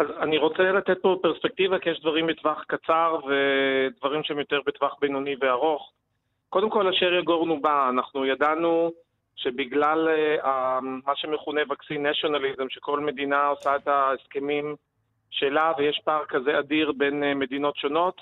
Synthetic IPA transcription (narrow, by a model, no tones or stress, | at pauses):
ʔazaniʁo̞t͡selat̪et̪̚po̞bpeʁspek̚tivakijɛʃdvaʁimbet̪vaχkat͡saʁve̞dvaʁimʃeemjo̞teʁbetvaχbejnoniveaʁo̞χ | ko̞d̪emko̞laʃeʁjaɡo̞ʁnubaːnaχnujadanu | ʃe̞biɡlalamaʃemeχunevaksinːaʃo̞nalizemʃeko̞lme̞d̪inaosaet̪aeske̞mim | ʃe̞lavejeʃpaːʁkaze̞adiʁbe̞nme̞dino̞tʃo̞no̞t